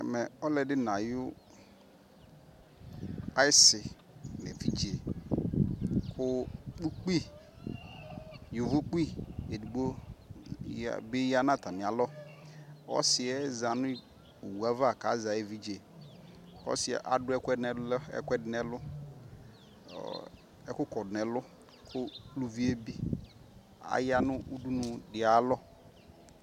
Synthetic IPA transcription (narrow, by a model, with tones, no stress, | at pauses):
ɛ˨mɛ˨ɔ˦lɛ˨dɪ˦nã˨jʊ˦ | a˦ɪ˦sɪ˨ | nɛ̰˨vi˦d͡ʒi˨e˨ | kʰʊ˦k͡pu˦k͡pi˦ | jʊ˨vʊ˦k͡pi˦e˨du˨ɡ͡bo˦˨ | bɪ˦ja˦nã˦˨t̪a˨nɪ̃˨a˨lɔ˦ | ɔ̰˦sɪ˨ɛ˦za˨nʊ̃˦ | u˨wu˨a˦va˦˨ka˨˦za˨e˦vi˦d͡ʒe˨ | ɔ̰˦sɪ˨ɛ̰˨ʔa̰˨dʊ˦ɛ˦kɛ˦nɛ˨˦ɛ̰˦kʷɛ˦dɪ˦nɛ˨lʊ˦ | ɔ̰˨ | ɛ˦kʊ˦kɔ˨dɪ˨nɛ˨lʊ˦ | kʊ˦lu˦vi˦e˦bi˦ | a̰˨ja˦nʊ˦u˦du˦nʊ˨dɪ˨a˨˦lɔ˦